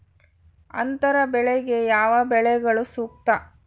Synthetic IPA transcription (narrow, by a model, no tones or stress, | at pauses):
ɐ̰nt̪ɐɾɐbɛɭeɡe̞jaːʋɐbɛɭɛɡɐɭusuːk̚t̪ɐ